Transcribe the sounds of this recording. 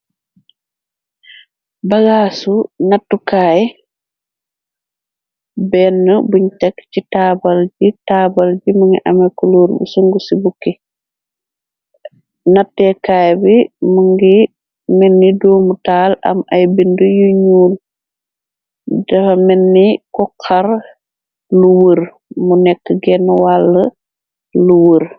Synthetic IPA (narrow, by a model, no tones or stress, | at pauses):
baɡaːsunatːukaːjɛ | bɛnːɔbuɲt͡ʃakːt͡ʃitaːbald͡ʒitaːbald͡ʒimuŋɡɛ̰ʔamajkɔloːɾbṵsuŋɡusibukːɛ | natːɛkaːjbimuŋɡi | mɛnːidoːmutaːlɐ̰majbindujuɲuːl | dɐfamɛnːikɔkʰaɾ | luwəɾ | munɛkːəɡɛnːwalːə | luwəɾ